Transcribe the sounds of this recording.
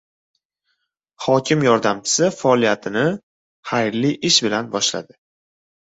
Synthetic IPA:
χhɒkʲʰɪmjɒɾd̪amt͡ʃʰɪ̥sɪfaːlijat̪ʰɪnɪ | hajɾliʔɪʃbɪlanbɒʃla̰d̪ɪ

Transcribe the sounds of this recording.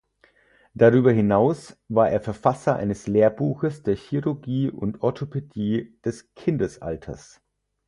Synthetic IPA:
d̥aʁyːbɐɦɪnaʊsvaːʔeːɐfɛɐfasɐʔa̰ɪnəsleːɐbuːxəsd̥eːɐçiʁʊɐɡiːʊ̰ntʔɔɐtʰopʰediːd̥ɛskʰɪndəsʔa̰ltʰɐ̰s

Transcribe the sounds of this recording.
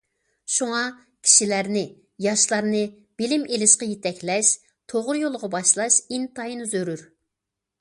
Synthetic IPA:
ʃuŋɑ | kʲʰi̥ʃilæɾnɪ | jɑʃlˠɑɾnɨ | b̥ɪlɪmʔelɪʃqɑjet̪ɛkʲlɛʃ | t̪ʰoʁʊɾjolˠʁɑbɑʃlˠɑʃint̪ʰɑjinzøɾyɾ

